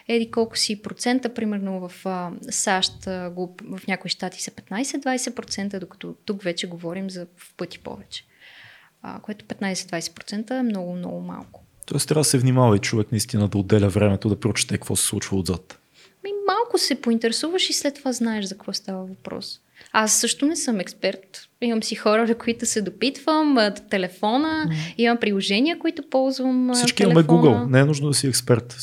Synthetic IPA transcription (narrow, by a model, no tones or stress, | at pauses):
ɛlikɔlˠkʊ̥sipɾot̪sɛnt̪əpɾimɛɾnovɐfəsaʃt̪ɡovɐfnʲakoiʃt̪at̪i̥sɐ̥pɛt̪najsɛd̪vajsɛpɾot̪sɛnt̪əd̪okɐ̥t̪ɔt̪ukvɛt͡ʃɛɡovɔɾimzɐpɤt̪i̥pɔ̰vɛt͡ʃɛ̥ | ə̰koɛt̪ʊ̥pɛt̪najsɛd̪vajsɛ̥pɾot̪sɛnt̪əɛmnɔɡʊmnɔ̰ɡʊma̰lˠkʊ̥ | t̪ɔɛst̪ɾʲad̪əsɛvnimavɐit͡ʃovɛknɐist̪inəd̪ɐod̪ːɛlʲəvɾɛmɛt̪od̪ɐpɾot͡ʃi̥t̪ɛkəkvɔsɛ̥slˠut͡ʃvəʊd̪zat̪ | mimalˠkʊsɛpoint̪ɛɾɛsuvəʃislɛt̪ːovaznaɛʃzɐkɐ̥kvɔst̪avəvɐpɾɔ̰s | asːɤʃt̪ʊnɛsɤmɛkspɛɾt̪imɐmsixɔɾəvɛkoit̪ʊsɛd̪opit̪v̥əmt̪ɛlɛfɔnəimɐmpɾilˠoʒɛnʲiəkoit̪opɔlˠzvəmsit͡ʃk̪iimɐlɛmɛɡuɡəlˠnɛɛnuʒnod̪ɐsiɛkspɛɾt̪